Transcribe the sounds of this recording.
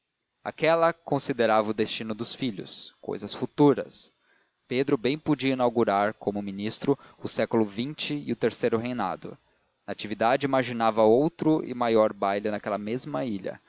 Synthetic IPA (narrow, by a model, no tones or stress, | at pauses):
a̰kɛlɐkõsid̪eɾavɐʊd̪est͡ʃĩnʊd̪ʊsfiʎʊ̰sko̰jzɐsfut̪uɾɐs | ped̪ɾʊbẽj̃pod͡ʒiɐinawɡuɾaɾkʰõmʊminist̪ɾʊʊsɛkʊlʊvĩnt͡ʃɪɪʊt̪eɾsejɾʊɦejna̰d̪ʊ̰ | nɐat͡ʃivid̪ad͡ʒɪimaʒinavɐowt̪ɾʊɪ̰majɔɾbajlɪnɐkɛlɐmezmɐiʎɐ̰